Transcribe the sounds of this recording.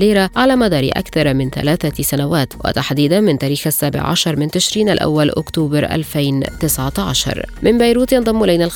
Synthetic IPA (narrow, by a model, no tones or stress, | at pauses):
iːɾaʕalaːmad̪ɑːɾˤɪ̰ʔa̰kθɑɾˤmɪnθa̰laːθasanawaːt̪wa̰t̪aħd̪iːd̪amɪnt̪aːɾiːxasːaːbɪ̰ʕʕa̰ʃɑɾˤmɪnt̪ɪʃɾiːnʔa̰lʔa̰wːalʔʊ̰kt̪uːbɑɾʔa̰lfajnt̪ɪsʕat̪ʕa̰ʃɑ̰ɾˤmɪnbajɾuːt̪jɑnd̪ˤɑmːʊlajnalx